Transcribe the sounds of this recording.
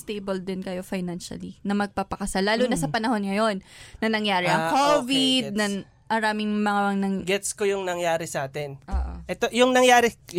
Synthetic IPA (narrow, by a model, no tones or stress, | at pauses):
st̪ejbɐld̪ɪnkɐjo̞fɐjnanʃɐ̰linɐmɐɡ̚papɐkɐsalaːluːnɐsɐpɐnɐho̞nŋɐjo̞nːɐnɐŋjaːɾɛʔɐkovid̪̚nɐ | mɐɾaːmɪŋmɐŋaŋnɐŋɡɛt̪skojʊŋnɐŋjaːɾɛsɐʔaːt̪ɛnʔoːʔoʔɛt̪ojʊŋnɐŋjaːɾɪ